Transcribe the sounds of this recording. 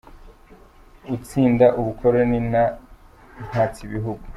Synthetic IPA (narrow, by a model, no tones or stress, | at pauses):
ut͡siːndaʔuβukʰoɾonina | n̥hat͡siβiɦuɡu